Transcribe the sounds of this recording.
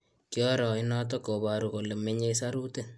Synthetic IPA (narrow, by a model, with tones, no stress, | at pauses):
kjɔ˦ɾɔ˨ɪ˦nɔt̬ɔ˦ko˨βa˨ɾu˨ko˨le˨me˦ɲe˦sa˦ɾu˦te˦